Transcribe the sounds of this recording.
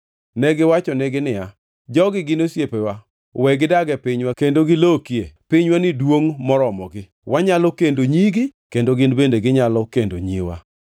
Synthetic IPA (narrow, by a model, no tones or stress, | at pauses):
nɛɡɪwat͡ʃɔnɛɡɪnɪja | d͡ʒɔɡɪɡɪnosjepewa | wɛɡɪdaɡɛpɪɲwakendoɡɪlokiepɪɲwanɪdwoŋmɔɾɔmɔɡɪ | waɲalɔkendoɲiɡɪkendoɡɪnbendeɡɪɲalɔkendo̰ɲḭwa̰